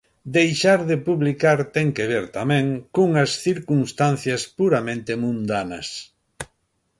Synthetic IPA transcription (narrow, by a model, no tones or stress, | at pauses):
d̪ejʃaɾðɪpuβlikaɾt̪ɛŋkeβeɾt̪amɛ̃ŋkoŋɐsθiɾkunst̪an̟θjɐspuɾamẽnt̪ɪmũnd̪anɐ̰s